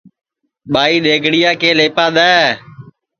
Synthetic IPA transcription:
ɓaːiːɗ̪eːɡʱɽɪjaːkeːleːpãːɗ̪aː

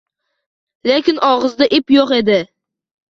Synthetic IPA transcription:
lekʲɪnʔɒʁɨzd̪aʔɪpjoqe̞d̪ɪ

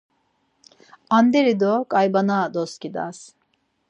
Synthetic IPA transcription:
and̪eɾid̪okʼajbanad̪oskʲid̪a̰s

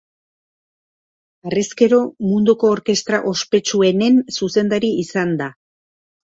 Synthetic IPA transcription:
areske̞ɾo̞mund̪uko̞ːɾke̞st̪ɾaʔo̞spe̞t͡ʃue̞ne̞nsuse̞nd̪aɾiisand̪a

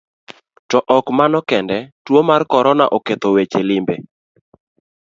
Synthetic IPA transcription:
tɔʔɔkmanɔkɛndɛtwomarkɔɾɔnaʔoket̪owet͡ʃelɪmbe

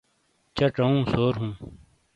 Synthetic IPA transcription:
t͡ɕɐʈ͡ʂɐũːsoːɾɦũː

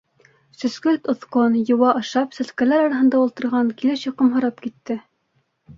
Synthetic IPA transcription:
sɵ̆skɵlt̪ŏθqonjɤ̆wɑʔɑʃɑpsæ̆skælæɾɑɾɑɦɤ̆nd̪ɑulˠt̪ɤ̆ɾʁɑŋkilɘʃjɑ̆qɤmɦɤ̆ɾɑpkit̪ːɘ

